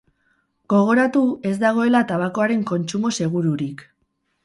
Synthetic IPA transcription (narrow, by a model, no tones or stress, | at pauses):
ɡ̥o̞ɣ̞o̞ɾat̪ue̞zd̪aɣ̞o̞e̞lat̪aβako̞aɾe̞ŋko̞nt͡ʃumo̞se̞ɣ̞uɾuɾik